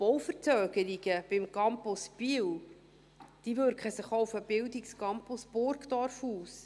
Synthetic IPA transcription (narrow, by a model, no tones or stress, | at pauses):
b̥ɔwfəɾt͡sœːɡəɾiɡ̥əb̥ɪmkɑmpɔspil | d̥ivøɾkχəsəχoʊfəb̥ɪldikskɑmpɔsb̥ʊɾkdɑrfuːs